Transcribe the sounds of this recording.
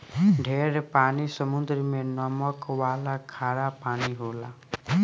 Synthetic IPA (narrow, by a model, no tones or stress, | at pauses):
ɖʱeɾpanisəmund̪ɾimenɔmɔkwalakʰaɽapaniɦola